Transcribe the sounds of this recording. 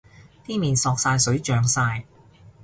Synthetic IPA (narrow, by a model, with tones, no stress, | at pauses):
t̪iː˥miː˨nsɔː˧k̚saː˧jsɵ˨˥ɥt͡ʃœː˨ŋsaː˧j